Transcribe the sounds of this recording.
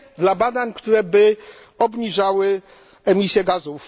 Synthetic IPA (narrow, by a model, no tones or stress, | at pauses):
d̪labad̪aɲkt̪uɾɛbɘ | ɔbɲiʐawɘ | ɛmʲisʲjɛɡazuf